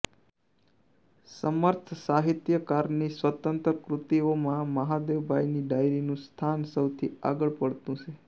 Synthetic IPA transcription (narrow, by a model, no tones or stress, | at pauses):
səməɾt̪ʰsaɦit̪jəkaɾnisʋət̪ənt̪ɾəkɾut̪iomãməɦad̪eʋbʱajniɖajɾinũst̪ʰansəwt̪ʰḭa̰ɡəɭpəɽt̪ũt͡ʃʰe